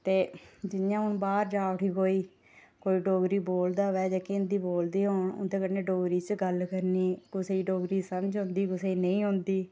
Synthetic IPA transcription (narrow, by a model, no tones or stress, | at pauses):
t̪eːd͡ʒɪnjãːʊnbaːɾd͡ʒaːʋəʈʰiːkoːiː | koːiːɖoːɡɾiːboːld̪aːʋɛːd͡ʒaːkeːnd̪iːboːld̪iːɦoːɳʊ̰nd̪eːkənːeːɖoːɡɾiːt͡ʃɡəlkəɾniːkʊseːiːɖoːɡɾiːsəmd͡ʒɦʊ̃nd̪iːkʊseːiːnəĩːɦʊ̃nd̪iː